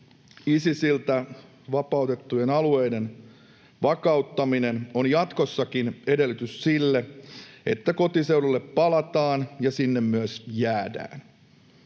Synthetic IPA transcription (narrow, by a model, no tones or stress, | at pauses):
isisilt̪æ | ʋɑpɑut̪e̞t̪ːujenɑluejden | ʋɑkɑut̪ːɑminenonjɑt̪ko̞sːɑkinede̞lːyt̪yssilːee̞t̪ːæko̞t̪isewɾulːe̞pːɑlɑt̪ɑːnjɑsinːemmyæsjæːdæ̰ːn